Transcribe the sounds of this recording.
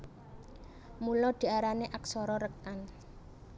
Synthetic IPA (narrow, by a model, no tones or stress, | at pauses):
mulɔd̪̥i̤aɾaneʔaksɔɾɔɾək̚t̪an